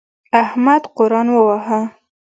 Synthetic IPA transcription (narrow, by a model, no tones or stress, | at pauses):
ahmad̪qʊɾɑnwəwaɦa